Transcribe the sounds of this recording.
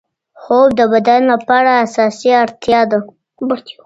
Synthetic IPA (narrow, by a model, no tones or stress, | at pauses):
xob̚d̪əbad̪anlapɑɽaːsɑsiaɾt̪jɑd̪a | b